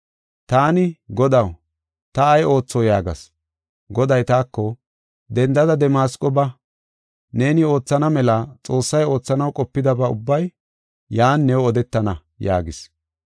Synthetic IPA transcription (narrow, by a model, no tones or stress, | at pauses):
t̪aːnɪɡɔd̪ɐw | t̪ɐːjʔo̞ːt͡sːɔjaːɡɐ̰s | ɡɔd̪ɐjt̪aːkːɔ | d̪ɛnd̪ɐd̪ɐd̪ɛmaːskʼɔbɐ | ne̞ːnɪo̞ːt͡sːɐnɐmɛlɐt͡sʼo̞ːsːɐjo̞ːt͡sːɐnɐwkʼɔpːɪd̪ɐbɐʊ̰bːɐj | jaːnːɛwɔd̪ɛt̪ːɐnɐ | ja̰ːɡɪs